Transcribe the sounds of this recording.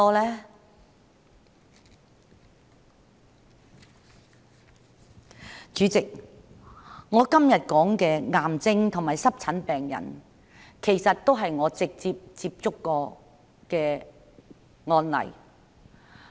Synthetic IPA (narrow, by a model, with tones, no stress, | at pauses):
ɔː˥lɛː˥ | t͡ʃyː˨˧˥t͡sɪ˨k̚ | ŋɔː˨˧kɐ˥mjɐ˨t̚kɔː˨˥ŋkɛː˧ŋaː˨mt͡sɪ˥ŋt̪ʰʊ˨˩maː˨jsɐ˥p̚t͡sʰɐ˨˥npɛː˨ŋjɐ̰˨˩n | kʰe˨˩jsɐ˨t̚t̪o˥wɦɐ˨jŋɔː˨˧t͡sɪ˨k̚t͡siː˧p̚t͡siː˧p̚t͡sʊ˥kːɔː˧ | kɛː˧ | ŋɔː˧nlɐ̰˨˩j